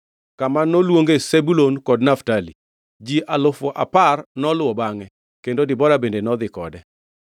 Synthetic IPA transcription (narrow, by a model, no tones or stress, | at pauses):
kamanːolwoŋɡesebulonkɔdnaftalḭ | d͡ʒiʔalʊfɔʔa̰parnɔlwɔbaŋɛ | kendodɪbɔɾabendenɔd̪ɪkɔdɛ